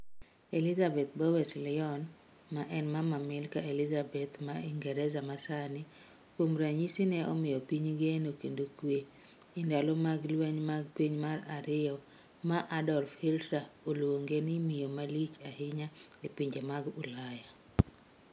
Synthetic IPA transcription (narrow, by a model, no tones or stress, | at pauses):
elizabɛt̪̚bawɛslɪɔn | maʔɛnmamamɪlkaelɪzabɛt̪maiŋɡɛɾɛzamasanɪ | komɾaɲisinɛɔ̰mɪjɔpiɲɡenokendokwe | ɪndalɔmaɡlwɛɲmaɡpiɲmaɾaɾɪjɔ | maʔadɔrfiltɾaolwoŋɡenɪmijomalit͡ʃahɪɲalɪpiɲd͡ʒemaɡulaja